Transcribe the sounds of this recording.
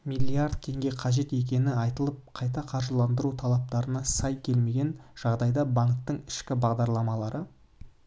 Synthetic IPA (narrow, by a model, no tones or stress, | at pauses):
mijlʲːiard̪̚t̪ʰe̞ŋɡʲe̞qʰɑʒe̞t̪e̞k̬ʲe̞nɪɑjt̪əlˠəp̚qʰɑjt̪ɑqʰɑɾʒəlˠɑnd̪əɾut̪ʰɑlˠɑp̚t̪ɑɾənɑsɑjkʲʰe̞lme̞ɡʲe̞nʒ̥ɑʁd̪ɑjd̪ɑbaŋk̚t̪əɴɪʃkʲɪbɑʁd̪ɑɾlˠɑmɑlˠɑɾə